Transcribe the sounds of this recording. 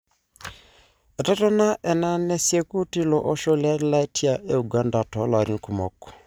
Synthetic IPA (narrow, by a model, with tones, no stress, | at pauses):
e˨tɔ˦tɔ˦na˦ʔɛ˨na˦ne˦sje˦ku˦ti˦lɔ˨ʔɔ˦ʃo˦lja˦ɾla˦e˦tʰi˦a˨ʔe˦u˨ɡa˦nda˨tɔ˨˦la˨ɾi˦ŋ̩˨ku˨mɔ˨ko̥˨